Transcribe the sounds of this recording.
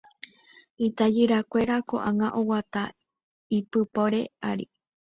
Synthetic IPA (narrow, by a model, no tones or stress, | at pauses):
it̪ad͡ʒɨɾakʷe̞ɾako̞̰ʔaŋãʔowat̪a | ipɨpoɾe̞̰aɾḭ